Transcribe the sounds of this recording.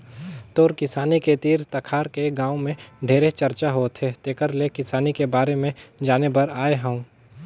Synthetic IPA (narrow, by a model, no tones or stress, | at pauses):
t̪oːɾkɪsaːniket̪iːɾt̪ɐkʰaːɾkeɡãːũmẽɖʱeːɾet͡ʃɐɾt͡ʃaɦoːt̪ʰɦet̪eːkəɾlekɪsaːnikebaːɾemẽd͡ʒaːnebɐɾaːeɦə̃ũ